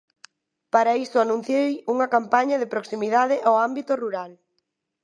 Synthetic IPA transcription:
paɾɐist̪ʊanũn̟θjejuŋɐkampaɲɐðɪpɾoksimiðaðɪʔawambit̪ʊruɾal

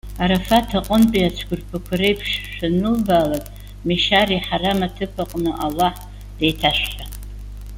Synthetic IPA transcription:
aɾafatʰaqʷʼʊnpʼiat͡ʃʷʰɡʷʊrpʰakʷʰarejpʰʂʃʷᶣanɨlbaːlakʼ | miʃariħaramatʰɨpʰaqʼnɨʔalaħ | d̥ejtʰaʃʷᶣħa

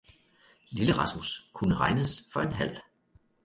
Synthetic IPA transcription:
liləʁɑ̈smuskʰunəʁɑ̈ɪnəsfɒ̽e̝nɦæl̰

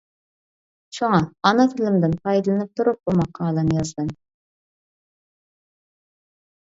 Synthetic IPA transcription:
ʃʰoŋɑɑnɑfɪlɪmd̪ɪnpʰɑjd̪ɨlɪnɪp̚t̪ʰuɾup̚bumɑqʰɑːlˠɨnɨjɑzd̪ɨn

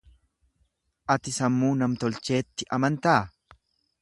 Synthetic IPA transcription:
ʔɐt̪ɪsɐmːuːnɐmt̪ɔlt͡ʃe̞ːt̪ːɪʔɐmɐnt̪ɐː

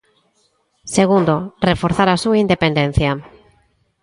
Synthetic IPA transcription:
seɣ̞und̪orefoɾθaɾasuind̪epend̪ẽn̟θja

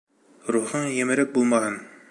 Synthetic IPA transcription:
ɾuχɤɴjɘ̆mɘ̆ɾɘk̚bulˠmɑɦɤn

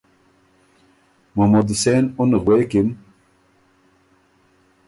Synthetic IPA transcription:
momod̪senunɣwekim

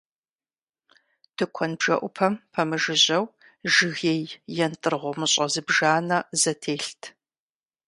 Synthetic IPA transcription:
tʰɨkʷʰɔnbʒɐʔʷʊpʰɐmpʰɐmɨʒɨʑɐw | ʒɨɣeːjjɛntʼɨrʁʷɔmɨɕʼɐzɨbʒaːnɐzɐtʰeːɬtʰ

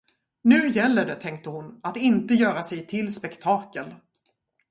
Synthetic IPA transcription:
nʉ̟ːjɛlːəɖɛt̪ʰɛŋk̚t̪əhʊnat̪ɪnt̪əjœːɾasɛjt̪ʰɪlspɛkt̪ʰɑːkəl

